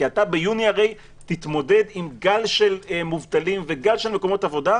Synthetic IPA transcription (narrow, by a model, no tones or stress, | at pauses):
iat̪abe̞juniaʁe̞j | t̪it̪mo̞de̞d̪imɡalʃe̞lemuvt̪alimveɡalʃe̞lme̞ko̞mo̞t̪avo̞da